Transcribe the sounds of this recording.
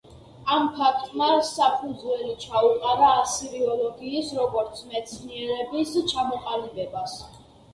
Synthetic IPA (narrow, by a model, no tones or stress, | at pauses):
ampʰak̚ʰt̪ʼmasapʰud̪zwɛlit͡ʃʰauqʼaɾaːsiɾiɔlɔɡiːsɾɔɡɔɾt̪sʰmɛt̪sʰniɛɾɛbist͡ʃʰamɔqʼalibɛbas